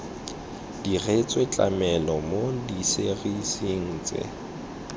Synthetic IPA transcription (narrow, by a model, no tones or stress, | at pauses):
d̥iret͡sʼwet͡ɬʼa̰mɛlɔmodiseɣisiŋ̩ːt͡sʼɪ̰